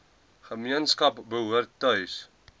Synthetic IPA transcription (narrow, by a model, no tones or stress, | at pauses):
χəmiənskɐpbəɦuərtːœɥs